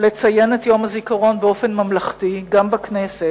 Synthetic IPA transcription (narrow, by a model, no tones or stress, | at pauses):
le̞t͡saje̞netjo̞mazikaʁo̞nbeo̞fe̞nmamlaχtiɡambaknese